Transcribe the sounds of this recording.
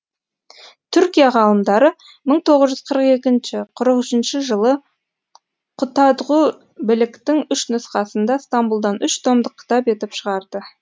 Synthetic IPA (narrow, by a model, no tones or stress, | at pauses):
t̪ʰʏɾkʲijaʁɑlˠəmd̪ɑɾə | məɴt̪ʰo̞ʁəzʒʏzqʰəɾəqe̞kʲɪnʃɪqʰʊɾəqʏʃɪnʃɪʒəlˠə | qʰʊt̪ɑd̪ʁu | bɪlɪkt̪ɪŋʏʃnʊsqɑsənd̪ɑst̪ambulˠd̪ɑnʏʃt̪ʰomd̪əqʲʰːɪ̥t̪ɑpe̞t̪ɪpʃəʁɑɾd̪̥ə